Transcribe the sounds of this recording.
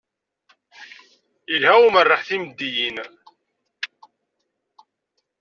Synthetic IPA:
ilhæumərˤːɑħθimd̪ːijin

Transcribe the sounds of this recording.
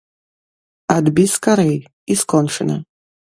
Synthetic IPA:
ad̪biskʰʼaɾej | iskʰʼɔnʂɨna

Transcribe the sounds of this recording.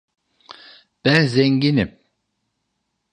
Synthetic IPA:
b̥ænzɛɲɟinim

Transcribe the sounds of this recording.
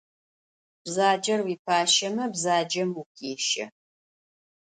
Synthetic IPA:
b̥zaːd͡ʒɐrwiːpʰaːʃɐmɐbzaːd͡ʒɐmukʰeːʃɐ̰

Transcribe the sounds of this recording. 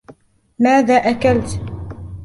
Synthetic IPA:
maːðaːʔakalt̪

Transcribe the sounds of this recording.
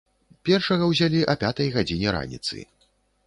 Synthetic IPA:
pʲɛrʂɐɣɐwzʲalʲiʔɐpʲat̪ɐjɣad͡zʲinʲɛɾa̰nʲḭt̪sɨ̰

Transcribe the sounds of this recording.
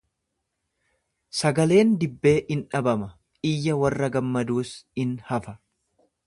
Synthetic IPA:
sɐɡɐle̞ːnd̪ɪbːe̞ːʔɪnᶑɐbɐmɐ | ɪjːɐwɐrːɐɡɐmːɐd̪uːsɪnhɐfɐ

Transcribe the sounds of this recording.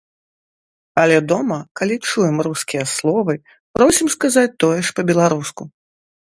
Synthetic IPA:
ɐlʲɛd̪ɔmɐkalʲit͡ʂujɛmruskʲijɐslˠɔvɨ | pɾɔwsʲimskazat͡sʲt̪ɔjɛʂpɐbʲɛlˠaɾusku

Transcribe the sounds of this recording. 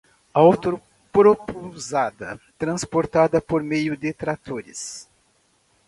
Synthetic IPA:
awt̪oɾ | pɾopozad̪ɐt̪ɾɐ̃spoɾt̪ad̪ɐpoɾmejʊd̪ɪt̪ɾat̪oɾɪ̰s

